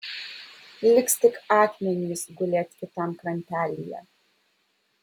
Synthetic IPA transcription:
lʲɪkst̪ʲɪkɑːk̪ʲmʲɛnʲɪsɡʊlʲeːt̪ʲkʲɪt̪ɐmkɾɐnʲpʲæːlʲijɛ̰

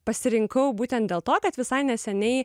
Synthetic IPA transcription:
pɐsʲɪɾʲɪŋkɐʊbuːt̪ʲɛnt̪̚d̪ʲeːlˠt̪oːkɐt̪ʋʲɪsɐɪnʲɛsʲɛnʲɛɪ

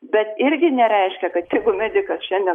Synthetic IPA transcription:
bʲɛt̪ɪɾʲɡʲɪnʲɛɾʲɛɪʃʲkʲɛkɐt̪t̪ʲɪɡʊmʲæd̪ʲɪkɐsʃʲɛnʲd̪ʲɛ

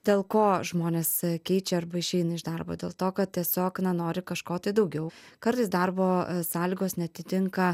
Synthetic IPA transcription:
d̪ʲeːlˠkoːʒmoːnʲeːsskʲɛɪt͡ʃʲɛɐɾbɐɪʃʲɛɪnɐɪʒd̪ɐrbo̰ːd̪ʲḛːlˠt̪oːkɐt̪̚tʲiɛsʲoːknɐnoːɾʲɪkɐʃkoːt̪ɐɪd̪ɐʊɡʲɛʊ | kɐɾt̪ɐɪsd̪ɐrboːsɑːlʲiːɡoːsnʲɛɐt̪ʲɪt̪ʲɪŋkɐ

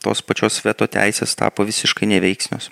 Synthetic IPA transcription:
t̪o̰ːspɐt͡ʃʲoːsʋʲiɛt̪oːt̪ʲæ̰ɪsʲeːst̪ɑ̰ːpoːʋʲɪsʲɪʃkɐɪnʲɛʋʲɛɪksʲnʲo̰ːs

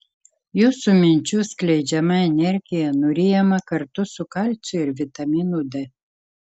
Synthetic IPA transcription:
jusumʲinʲt͡ɕusklʲed͡ʒamaenʲerɡʲijanuɾʲijamakərt̪usukalʲt͡ʃɨrvʲit̪aminud̪e

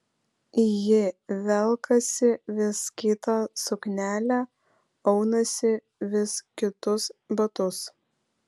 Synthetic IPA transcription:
jɪʋʲɛlˠkɐsʲɪʋʲɪskʲɪt̪ɑːsʊknʲæːlʲæː | ɔʊnɐsʲɪ | ʋʲɪskʲɪt̪ʊsbɐt̪ʊs

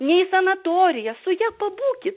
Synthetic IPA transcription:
nʲɛɪsɐnɐt̪oːɾʲɪjɛsʊjæːpɐbuːkʲɪt̪

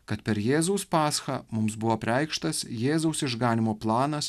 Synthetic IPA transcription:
kɐt̪pʲɛɾjeːzʊʊspɑːsxɑːmʊmsbʊʋoːpʲɾʲɛˑɪkʃt̪ɐsjeːzɐʊsɪʒɡɑːnʲɪmoːplˠɑːnɐs

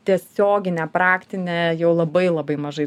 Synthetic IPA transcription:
t̪ʲiɛsʲoːɡʲɪnʲɛpɾɑːkt̪ʲɪnʲeːjɛʊlˠɐbɐɪlˠɐbɐɪmɐʒɐɪ

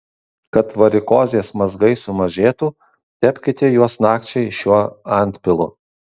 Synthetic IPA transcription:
kɐt̪ʋɐɾʲɪkoːzʲeːsmɐzɡɐɪsʊmɐʒʲeːt̪uː | t̪ʲɛpʲkʲɪt̪ʲeːjuɔsnɑːkt͡ʃʲɛɪʃʲuɔɐnʲt̪ʲpʲɪlˠʊ

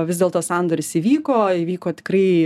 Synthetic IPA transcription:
ʋʲɪzdʲeɛlˠt̪oːsɑnd̪oːɾʲɪsiːʋʲiːkoːiːʋʲiːkoːt̪ʲɪ̥kɾrɐɪ

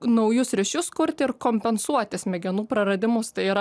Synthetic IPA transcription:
nɒʊjʊsɾʲɪʃʲʊskʊɾʲt̪ʲɪɪɾkoːmʲpʲɛnsuɔt̪ʲɪsmʲɛɡʲɛnuːpɾɐɾɐd̪ʲɪmʊst̪ɐɪiɾɐ

